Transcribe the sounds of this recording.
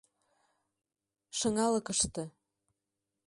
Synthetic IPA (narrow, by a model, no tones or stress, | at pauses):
ʃɤ̆ŋɑlɤkəʃt̪ɤ̆